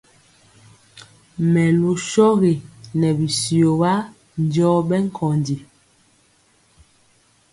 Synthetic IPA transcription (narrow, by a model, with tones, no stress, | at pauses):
mɛ˨lu˨ʃɔ˦ɣe˨nɛ˨bi˨si˨o˨ba˦ | n˦dɔː˦bɛ˦ŋ˦kʰɔ˨ndi˨